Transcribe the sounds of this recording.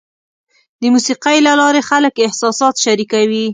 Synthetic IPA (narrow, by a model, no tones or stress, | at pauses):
d̪əmusiqajlalɑɾexaləkɪhsɑsɑt̪ʃaɾikawi